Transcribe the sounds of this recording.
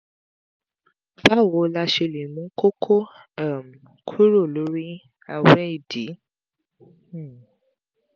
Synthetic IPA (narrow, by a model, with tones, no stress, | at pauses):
fa˦˨wo˨˦la˧ʃe˧le˨nũ˨˦ko˦kʰo˦ | a˦˨m̩˨ | kʰu˦ɾo˦˨lo˨˦ɾi˦ | a˧wɛ˦i˦˨di˨˦˨